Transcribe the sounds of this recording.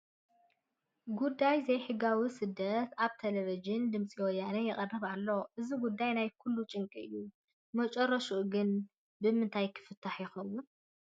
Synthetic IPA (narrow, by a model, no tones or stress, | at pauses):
ɡud̪ːajzɐjħɨɡawisɨd̪ːɐt̪ʰaβt̪ʰelevid͡ʒɪnd̪ɨmsʼiwɔjanɐjɛχʼɐrɐβalːo̞ʔɨziɡud̪ːajnajkʰulːut͡ʃʼɨŋkʼiɨ̰jːu | mɐt͡ʃʼɐrːɐʃuʔɡɨn | bɨmɨnt̪ʰajkʰɨ̥fɨt̪ʰːaħjɪxɐwːʊn